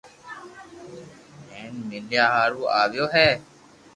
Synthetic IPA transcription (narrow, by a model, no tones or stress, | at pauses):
ɛːnmɪlɪjaːɦaːɾuːaːʋjoːɦɛː